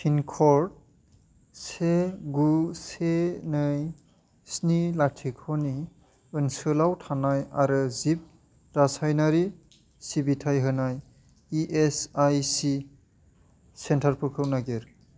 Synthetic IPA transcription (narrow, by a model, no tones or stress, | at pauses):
pʰinkʰɔɾd̚ | seɡusenɯj | snilatʰikʰɔni | ɯnsɯlawtʰanajaɾɯzip̚ | ɾasajnaɾi | sibitʰajɦɯnaj | iʔesajsi | sentʰaɾpʰɯkʰɯwnaɡeɾ